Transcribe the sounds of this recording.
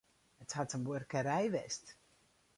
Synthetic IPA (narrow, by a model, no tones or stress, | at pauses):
əthatənbørkəɾɛjʋɛst